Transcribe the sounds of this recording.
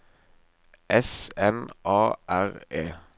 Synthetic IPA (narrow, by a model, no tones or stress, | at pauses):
ʔɛsɛnʔɑːʔæʁeː